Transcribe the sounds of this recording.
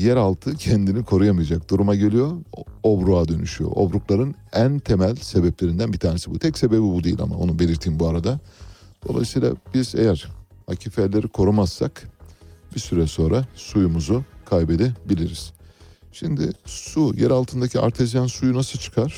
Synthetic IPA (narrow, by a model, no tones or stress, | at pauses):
jɛɾalˠt̪ʰɯcʰɛnd̪inikʰo̞ɾujamɯjad͡ʒak̚d̪uɾumaɟe̞lʲijo̞obɾuad̪ø̞nyʃyjo̞̰ʔo̞̰bɾuklˠaɾɯnænt̪ʰe̞mælʲse̞bɛplʲe̞ɾind̪ænbit̪ʰaːne̞sibut̪ʰɛcse̞be̞bibud̪ejilʲa̰ma̰o̞̰nube̞lʲiɾt̪ʰiːnbuaɾad̪ad̪̥o̞̰lˠa̰jsɯjːlˠa̰b̥iz̥ḛjæɾ̥ha̰cʰifɛlʲe̞ɾikʰo̞ɾumasːak | b̥isyɾɛso̞nɾasujumuzukʰajbe̞d̪ɛbilʲiɾiz̥ | ʃimd̪ɪ̰sujɛɾalˠt̪ʰɯnd̪acʰia̰ɾt̪ʰezjansujunasɯt͡ʃʰɯ̥kʰaɾ̥